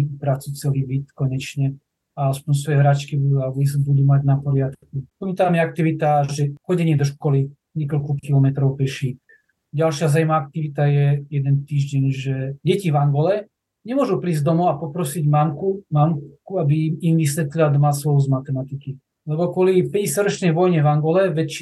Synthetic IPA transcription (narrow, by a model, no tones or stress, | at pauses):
pɾat͡sut͡sɛliːbit̪kɔɲɛt͡ʃɲɛ | aaspɔɲs̬ʋɔjɛɦɾaːt͡ʃkibud̪uaɛbisbud̪uːmaɟnapɔɾɪat̪kkupɔɲit̪amjɛak̚t̪iʋit̪aʒɛxɔɟɛɲɪɛd̪ɔʃkɔli | ɲɪɛkɔlkukilɔmɛt̪ɾɔʊpɛʃi | ɟalʃɪazajmaak̚t̪iʋit̪ajɛjɛd̪ɛnt̪iːʒɟɛɲʒɛɟɛcivaŋɡɔlɛ | ɲɛmʊɔʒupɾiːzd̪ɔmɔapɔpɾɔsiɟmamkumamkuabiimʋisʋɛt̪liad̪ɔmasʋɔɦuzmat̪ɛmat̪iki | lɛbɔkʊɔlipɛɟɛsjad̪ɾɔt͡ʃnɛjʋɔjɲɛvaŋɡɔlɛʋɛct͡ʃ